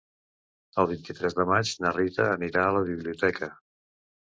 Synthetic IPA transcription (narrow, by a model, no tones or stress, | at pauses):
əlˠβint̪it̪ɾɛzðəmad͡ʒnərit̪əːniɾaələβiβliut̪ɛkə